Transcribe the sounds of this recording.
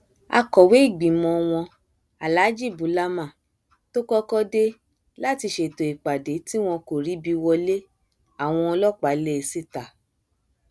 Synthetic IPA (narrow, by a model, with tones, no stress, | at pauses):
a̰˧kɔ˨we˨˦i˦˨ɡ͡bĩ˨mɔ̃˧w̃ɔ̃˧ | a˨la˨˦d͡ʒi˦˨bu˨˦la˦mã˦˨ | to˦kɔ˦kɔ˦de˦ | la˦˨ti˧ʃe˨to˨i˨k͡pa˨de˨˦ti˦w̃ɔ̃˧ko˨ɾi˨˦bi˧wɔ˧le˦ | a˨w̃ɔ̃˧ɔ˧lɔ˦k͡pa˨˦le˦e˧˨si˦˨ta˨